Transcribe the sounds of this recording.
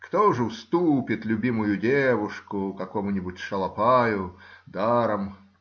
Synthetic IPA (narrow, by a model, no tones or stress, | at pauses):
kt̪oʐɨfst̪upʲɪt̪lʲʊbʲimʊjʊdʲevʊʂkʊkɐkomʊnʲɪbʊtʲʂɐlˠɐpajʊd̪aɾəm